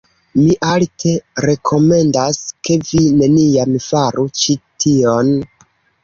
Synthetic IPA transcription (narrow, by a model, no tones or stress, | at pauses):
miʔaltʰe̞ɾe̞kʰo̞me̞ndaske̞vineniamfaɾut͡ʃitʰio̞n